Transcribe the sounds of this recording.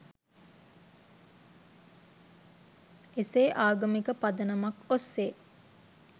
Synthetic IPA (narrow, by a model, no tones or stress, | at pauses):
eseːʔaːɡəmikəpad̪ənəmakosːeː